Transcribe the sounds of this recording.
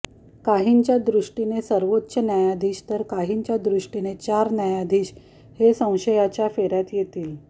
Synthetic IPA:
kaɦint͡ɕjad̪ɾuʂʈinesəɾʋotːɕənjajad̪ʱiːɕt̪əɾkaɦiɲt͡ɕjad̪ɾuʂʈinet͡ɕaɾnjajad̪ʱiːɕ | hesə̃w̃ɕəjat͡ɕjafeɾjat̪jet̪iːl

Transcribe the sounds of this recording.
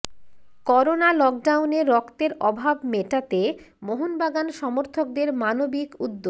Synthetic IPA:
kɔɾonalɔk̚ɖawneɾːɔkt̪eɾɔbʱabmeʈat̪e | moɦonbaɡanʃɔmoɾt̪ʰok̚d̪eɾmanobikud̪ːo

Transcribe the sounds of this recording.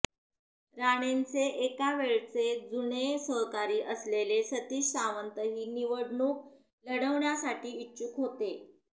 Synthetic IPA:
ɾaɽ̃ent͡seʔekaʋeɭt͡sed͡zuɳesəɦkaɾiːʔəslelesət̪iːɕsaʋənt̪əɦiːniʋəɽɳuːk̚ | ləɽəʋɳjasaʈiːitːɕukɦot̪e

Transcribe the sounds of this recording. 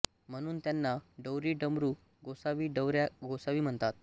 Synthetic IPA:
m̤əɽ̃uːnt̪janːaɖəwɾiːɖəmɾuː | ɡosaʋiːɖəwɾaɡosaʋiːm̤əɳt̪at̪̚

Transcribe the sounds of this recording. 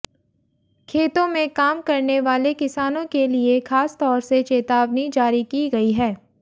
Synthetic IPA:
kʰeːt̪õmẽkaːmkɐɾneʋaːlekɪsaːnõkeliexaːst̪ɔːɾset͡ʃeːt̪aːʋnid͡ʒaːɾikiɡɐiɦɛː

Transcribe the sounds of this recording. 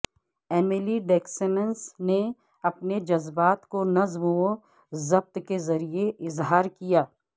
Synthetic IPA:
ɛːmeliɖeːksenənsne | ɐpned͡ʒɐzbaːt̪konɐzmɦuo | zɐb̚t̪kezɐɾieʔɪzɦaːɾkijaː

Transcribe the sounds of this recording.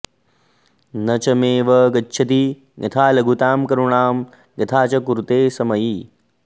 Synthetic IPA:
nɐt͡ʃɐmeːʋɐɡɐtːʃʰɐt̪i | ɡɐt̪ʰaːlɐɡʱut̪aːmkɐɾuɳaːm | ɡɐt̪ʰaːt͡ʃɐkuɾut̪eːsɐmɐjiː

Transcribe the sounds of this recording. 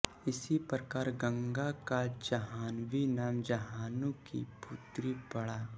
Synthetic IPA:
ɪsipɾəkaːɾɡə̃ŋɡakad͡ʒɐɦaːnʋinaːmd͡ʒɐɦaːnũkḭput̪ɾipɐɽaː

